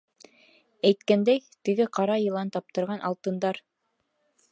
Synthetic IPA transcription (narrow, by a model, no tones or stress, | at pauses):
æjt̪kænd̪æjt̪ɘ̆ɡɘqɑɾɑjɤ̆lˠɑnt̪ɑp̚t̪ɤ̆ɾʁɑnʔɑ̰lˠt̪ɤ̆nd̪ɑɾ